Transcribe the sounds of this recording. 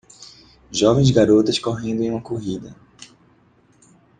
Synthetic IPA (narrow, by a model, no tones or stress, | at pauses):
ʒɔvẽj̃zɡaɾot̪ɐskoɦẽnd̪ʊẽũmɐkoɦid̪ɐ